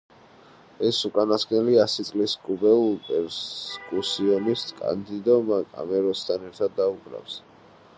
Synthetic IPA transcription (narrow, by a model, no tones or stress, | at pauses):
ɛsukʼanasɡʼnɛliasit̪sʼliskʼubɛpʼɛɾkʼusiɔniskʼa̰nd̪id̪ɔmakʼa̰mɛɾɔst̪ʰanɛɾt̪ʰad̪ːauɡɾa̰fs